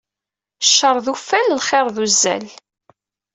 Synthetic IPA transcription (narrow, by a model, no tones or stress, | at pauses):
ʃːəɾˤðufænlχɪɾˤðuzːæ̰l